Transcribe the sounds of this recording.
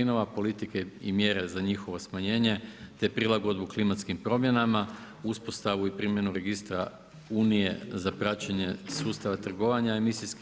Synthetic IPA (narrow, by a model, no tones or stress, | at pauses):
ino̞ʋapo̞lit̪ikeḭmje̞ɾe̞zaɲixo̞ʋo̞smaɲe̞ːɲe̞t̪e̞pɾilˠaɡo̞d̪buklimat̪skimpɾo̞mje̞nama | uspo̞st̪aʋuipɾimje̞nuɾe̞ɡist̪ɾa | uːnije̞̰zapɾat͡ɕeɲe̞suːst̪aʋat̪r̩ɡo̞ʋaɲaemisisk